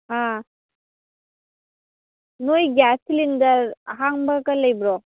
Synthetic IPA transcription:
a | nojɡasilinɡɐɾɦaŋbaɡɐlɐjbɾɔ

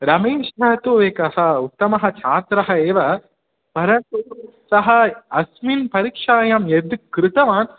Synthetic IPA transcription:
ɾɐmeːʂɦaːt̪oːʋeːkɐhɐʊk̚t̪ːɐmɐɦɐt͡ʃaːt̪ɾɐɦɐeːʋɐ | pɐɾɐnt̪u | sɐɦɐɐsminpɐɾikʂaːjamed̪ɯkɾɪt̪ɐʋaːn

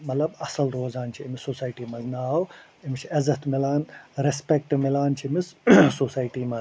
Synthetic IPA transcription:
mɐt̪lɐbɐsɐlɾoːzaːnt͡ʃʰiimisosaːjʈiːmɐznɐaw | imt͡ʃʰiɐzɐt̪milaːnɾespek̚ʈmilaːnt͡ʃʰimissosaːjʈiːmɐz

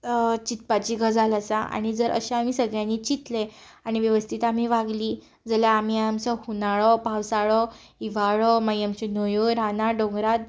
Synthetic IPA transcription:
t͡ɕit̪̚pat͡ɕiɡəd͡zʱalat͡saʔa̰ɽ̃id͡zəɾʔə̰ɕeam̤iːsəɡɭjãnːiːt͡ɕit̪le | aɽ̃iʋjəʋəst̪ʰit̪am̤iːʋaɡliː | d͡zəljaːmiamsəhunaɭɔpawsaɭɔ | iʋaɭɔməjəmt͡ɕenojoɾanaɖõŋɡɾad̪̚

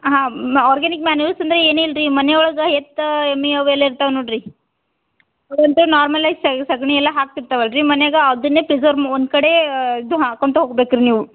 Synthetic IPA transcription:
ɦãːaːɾɡanik̚maːnuɐsɐnd̪ɾeeːnelɾimɐnejɔɭɐɡɐɦet̪emːiɐʋɛlːɐiɾt̪aʋɐnoːɽɾi | ɐʋɐnʈ̪unaːɾmɐlɐjssɐsɐɡɳiɛlːɐɦaːk̚t̪iɾt̪aʋɐɭɾimɐnejɐɡɐɐd̪unːeːpɾizɐɾmond̪kɐɽe̞d̪ɦakoɳʈuɦoːɡbeːkɾiniːʋu

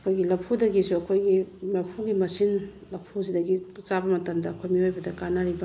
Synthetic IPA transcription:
ɐkʰojɡilɐpʰudɐɡisuɐkʰojɡilɐpʰuɡimɐsin | lɐpʰus̬idɐɡit͡ʃabɐmɐtɐmdɐɐkʰojmiojbɐdɐkanaɾibɐ

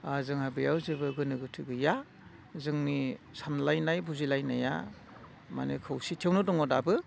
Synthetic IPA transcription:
azɯŋhabɯjawzɯbɯɡɯnɯɡɯtʰɯɡɯja | zɯŋnisamlajnajbuzilajnaja̰ | ma̰nekʰɯwsitʰewnɯdɔŋɔdabɯ

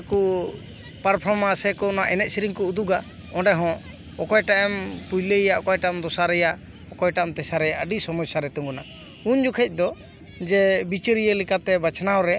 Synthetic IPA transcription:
ku | paɾpʰɔɾmasɛkɔnaʔɛnɛt̪̚siɾiŋkɔud̪uɡa | ɔ̃ɖɛɦɔ̃ | ɔkɔjʈaʔɛmpujlejaʔɔkɔjʈamd̪ɔsaɾɛja | ɔkɔjʈamt̪ɛsaɾɛjaʔəɖisɔmɔsaɾɛt̪ɔŋɡuna | und͡ʒukʰɛc̚ˀd̪ɔ | d͡ʒɛbit͡ʃəɾijelikat̪ɛbat͡ʃʰnaɔɾɛ

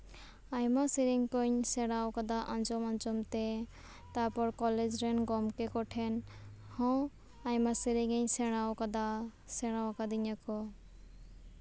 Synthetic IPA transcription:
ajmasiɾiŋkɔɲsɛɽ̃awkad̪aʔãnd͡ʒɔmãnd͡ʒɔmt̪ɛ | t̪apɔɾkɔled͡ʒɾɛnɡɔmkɛkɔʈʰɛnhɔ̃ | ajmasiɾiŋɛɲsɛɽ̃awkad̪a | sɛɽ̃awakad̪iɲakɔ

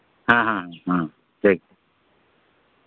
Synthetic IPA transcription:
ɦãːɦãɦãɦã | ʈʰiːk̚

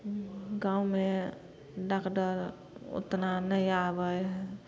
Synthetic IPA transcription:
ɡaume | ɖakɖəɾ | o̰t̪nanəiabəj

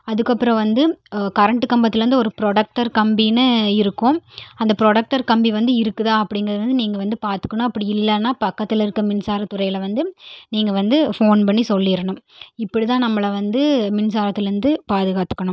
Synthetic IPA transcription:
ɐðɯkːɐpːɯɾɐ̃ʋɐnd̪ɯkɐɾɐɳʈɯkɐmbɐt̪ːɪlɾɯnd̪ɯɔɾɯpɪɾoɽɐk̚ʈɐɾkɐmbinɯɪɾɯkːʊ̃ɐnd̪ɐpɪɾɔːɽɐk̚ʈɐɾkɐmbiʋɐnd̪ɯɪɾɯkːɯðãːɐpːɐɽɪŋɡɐɾɐðɐɾɐnd̪ɯniːŋɡɐʋɐnd̪ɯpaːɾt̪ɯ̥kːɐɳõɐpːɐɽiɪlːɐnːaːpɐkːɐt̪ːɪlɪɾɯkːɐmɪnsaːɾɐt̪ːʊɾɐɪjlɐʋɐnd̪ɯniːŋɡɐʋɐnd̪ɯfoːnpɐɳːisɔlːɪɾɐɳɯmɪpːɐɽit̪ãːnɐmːɐɭɐʋɐnd̪ɯmɪnsaːɾɐt̪ːɪlɾɯnd̪ɯpaːðɯɣaːt̪ɯ̥kːɐɳʊm

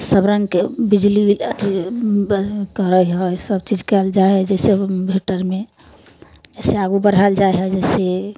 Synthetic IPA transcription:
səbɾə̃ŋɡkebid͡ʒliilət̪ʰi | kəɾəɦɔsəbt͡ʃid͡ʒkɛld͡ʒaeɦɛd͡ʒɛsebʱiʈəɾme | d͡ʒɛseaɡubəɾɦald͡ʒaeɦɛd͡ʒɛːse

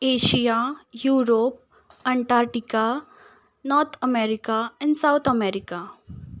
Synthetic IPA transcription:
eːʃijajuːɾoːp̚ | ɐ̃ɳʈaːɾʈika | nɔːɾt̪ʰəmeɾɪkaɛ̃ɳɖsaʊt̪ʰəmeːɾɪka

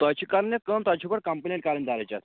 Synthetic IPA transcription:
t̪at͡ɕiːkaɾəɳjet̪̚kəmt̪wat͡ɕiːpəɽkəmpənẽɳʈ̚kaɾəɳd̪ʱaɾajt͡ɕa̰t̪

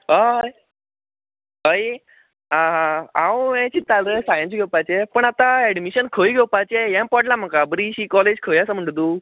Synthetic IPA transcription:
ə | ɦəj | ãɦaãwẽt͡ɕit̪ːaləsajə̃nsɡʱewpat͡ɕepəɳat̪aɛɖmiɕənkʰəjɡʱewpat͡ɕejãmpɔɽlam̤əkabɾiɕikɔled͡ʑkʰəjasəm̤əɳʈt̪uː

